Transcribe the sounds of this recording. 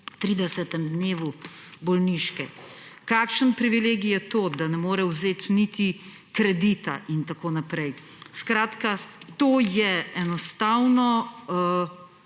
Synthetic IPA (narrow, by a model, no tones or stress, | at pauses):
t̪ɾiːd̪ɛsɛt̪ɛmd̪neːʋu | bɔlniːʃkɛkaːkʃənpɾiʋileːɡijɛt̪oːd̪anɛmoːɾɛwzeːt̪nit̪i | kɾɛd̪iːt̪a̰ʔint̪akoːnapɾɛj | skɾaːt̪kat̪oːjɛɛnɔst̪aːwnɔ